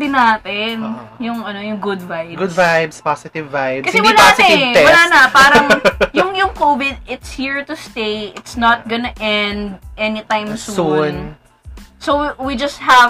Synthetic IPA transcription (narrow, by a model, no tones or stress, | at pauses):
bɪnaːt̪ɪnjʊŋʔɐnojʊŋɡʊd̪vajɡʊd̪vajbspasɪt̪ɪvːajbkːɐsɛwɐlanɐɪtɛwɐllaːnɐpaːɾɐŋjʊŋjʊŋkovɪd̪̚ɪt̪shiɹt̪ʊst̪ejɪt̪snɐt̪̚ɡɔnɐʔɛnd̪̚ʔɛnit̪ãjmsuun | sowwid͡ʒɐst̪̚hɐv